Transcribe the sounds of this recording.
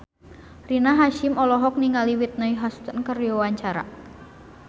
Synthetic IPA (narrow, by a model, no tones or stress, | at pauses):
rinaɦaʃɪmɔlɔɦɔk̚niŋaliwit̪̚naiɦast̪ənkərjɔwaɲt͡ʃaɾa̰